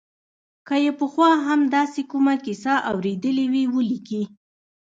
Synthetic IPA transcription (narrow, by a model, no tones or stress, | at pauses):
kəjepəxwɑɦamd̪ɑsekumakisɑʔawɾed̪əliwiwəliki